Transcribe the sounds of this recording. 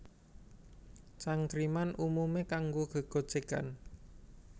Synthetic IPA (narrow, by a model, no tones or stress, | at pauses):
t͡ʃaŋkɾimanʔumumekaŋɡoɡ̥ə̤ɡ̥o̤̥t͡ʃeka̰n